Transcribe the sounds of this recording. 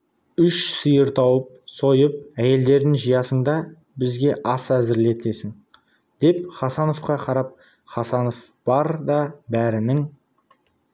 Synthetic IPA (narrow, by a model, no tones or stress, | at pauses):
ʏʃsəjəɾt̪ʰɑwəp̚so̞jəp̚æje̞ld̪e̞ɾd̪ɪŋʒəjɑsəɴd̪ɑ | bɪzɡʲe̞ʔɑsæzɪɾle̞t̪e̞sɪŋ | d̪̥e̞pχɑsɑno̞fqɑqʰɑɾɑp̚ | χɑsɑno̞f | b̥ɑɾd̪ɑbæɾɪnɪŋ